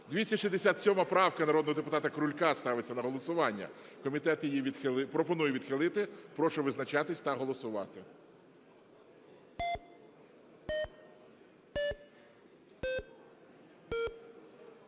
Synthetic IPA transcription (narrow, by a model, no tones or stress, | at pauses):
d̪ʲʋʲisʲɐʃʲizʲd̪esʲat̪sʲɔmɐpɾɑwkɐnɐɾɔd̪nɔɦɔd̪epʊt̪ɑt̪ɐkɾʊlʲkɑst̪ɑʋɪt͡sʲːɐnɐɦɔlˠɔsʊʋɑnʲːɐ̰kɔmʲit̪ɛt̪jijiʋʲid̪xɪlˠpɾɔpɔnujɛʋʲid̪xɪlˠɪt̪ɪpɾɔʃʊʋɪznɐt͡ʃɑt̪ɪsʲt̪ɐɦɔlˠɔsʊʋɑ̰t̪ɪ